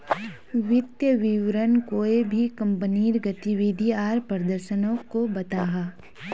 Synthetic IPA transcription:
ʋɪt̪jəʋɪʋɾənkoːebʱikɐ̃mpəniːɾɡət̪iʋid̪ʱiaːɾpɾəd̪əɾʃənõkobɐt̪aːɦaː

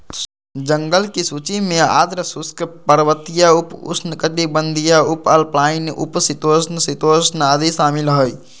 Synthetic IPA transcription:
d͡ʒəŋɡəlkisuːt͡ʃimẽa̰ːd̪ɾəsuskpəɾʋət̪ijaʊpʊ̰snəkət̪ibə̃nd̪ʱijaʊpɐlplaːinʔṵpsit̪oːsnəsit̪oːsnaːd̪isaːmilɦoi

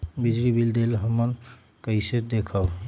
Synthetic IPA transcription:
bid͡ʒɾibild̪elɦəmən | kəɪsed̪ekʰə

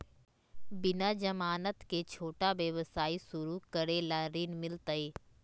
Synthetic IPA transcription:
bɪnad͡ʒəmaːnət̪ket͡ʃʰoːʈaʋjəʋəsaːisʊɾukəɾelaɾiːnmɪlt̪əiː

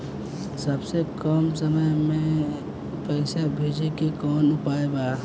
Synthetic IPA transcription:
sɐbsekɔːmsɐməjmẽ | pɛɪsabʱeːd͡ʒekikɔːnʊpaːebaː

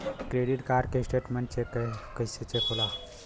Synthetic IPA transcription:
kɾeɖiʈkaːɾkesʈeʈmeɳʈt͡ʃekkəset͡ʃekʰola

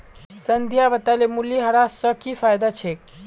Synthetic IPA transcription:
sənd̪ʱjabət̪alemuljiɦɐɾasəkifajd̪at͡ʃʰek̚

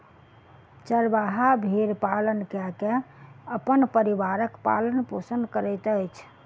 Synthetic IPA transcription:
t͡ʃəɾbaɦabʱeɾpalənkɛkẽəpənpəɾiʋaɾəkpa̰lənposənd̪kəɾɛt̪əjt͡ʃʰ

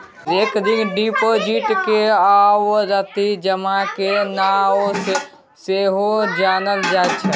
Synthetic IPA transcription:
eːkd̪inɖipod͡ʒiʈkeawod͡ʒat̪id͡ʒəmakenao | seɦod͡ʒanəld͡ʒatt͡ʃʰɛ

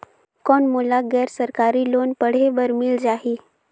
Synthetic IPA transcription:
kɔɳmulaɡɛɾsəɾkaɾiːlonpəɽ̤ebəɾmiːld͡ʑaɦi

